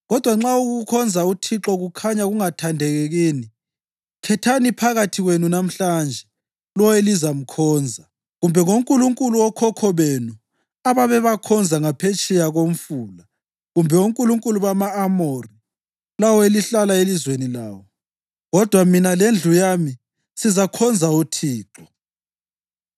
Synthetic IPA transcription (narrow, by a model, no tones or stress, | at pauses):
ɣɔd̥ʱwaŋ͡ǁauɣukʰɔnd͡zʱautʰiǁɔɣukʰaɲaɣuŋatʰandʱɛɣɛɣiːni | kʰɛtʰanipʰaɣatʰiɣwenunam̩ɬand͡ʒʱɛ | lɔwelizam̩kʰɔːnd͡zʱa | ɣumbʱɛŋoŋkʼuluŋkʼuluwɔkʰɔkʰɔβeːnu | aβaβɛβakʰɔnd͡zʱaŋapʰet͡ʃʼɛjaɣom̩fuːla | ɣumbʱɛuŋkʼuluŋkʼuluβamaːmori | lawɔeliɬalaelizwenilaːwɔ | ɣɔd̥ʱwaminalend͡ɮʱujami | sizakʰɔnd͡zʱautʰiːǁɔ